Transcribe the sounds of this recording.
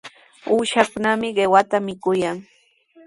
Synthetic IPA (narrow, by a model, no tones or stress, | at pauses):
uːʃakʊnamɪɢewat̪amɪkʊjaŋ